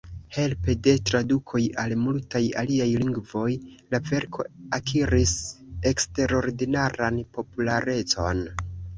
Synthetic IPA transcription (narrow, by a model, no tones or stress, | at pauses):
he̞lpede̞tɾadukʰo̞jalmultaja̰liajliŋɡvo̞jlave̞ɾkʰo̞̰akʰiɾise̞kste̞ɾo̞ɾdinaɾanpo̞pulaɾe̞t͡so̞̰n